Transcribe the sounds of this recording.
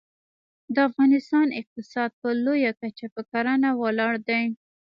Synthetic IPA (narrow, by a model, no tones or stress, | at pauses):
d̪əafɣɑnɪst̪ɑnɪq̚t̪ɪsɑd̪̚pəlojakat͡ʃapəkaɾanawəlɑɽd̪aj